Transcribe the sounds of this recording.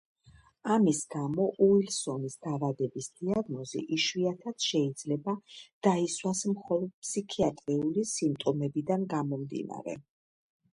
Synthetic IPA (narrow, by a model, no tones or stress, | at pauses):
amisɡamɔʔuilsɔnisd̪̥avad̪ɛbisd̪iaɡnɔzḭʔiʃwiat̪ʰat̪sʃɛid̪z̥lɛbad̪̥aiswasmχɔlˠɔd̪̥̚pʰsikʰiat̪ʼɾiulisimt̪ʼɔmɛbid̪anɡamɔmd̪ḭna̰ɾɛ̰